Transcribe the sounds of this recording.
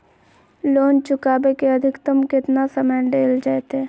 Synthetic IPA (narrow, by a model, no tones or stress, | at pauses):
loːnt͡ʃʊkaːbekeɐd̪ʱɪkt̪əmkɪt̪nasəməjɖeːld͡ʒaːet̪ɛː